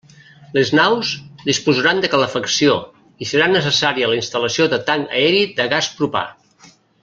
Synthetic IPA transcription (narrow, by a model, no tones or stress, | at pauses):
leznawzd̪ispuzəɾand̪əkələfəksio | isəɾanəsəsaɾiələinst̪ələsioðət̪aŋə̰ɛɾid̪əɣaspɾupa̰